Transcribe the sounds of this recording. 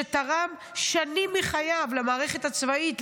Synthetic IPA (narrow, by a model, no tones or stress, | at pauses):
etaʁam | ʃanimːiχajavlamaːʁe̞χe̞tat͡svait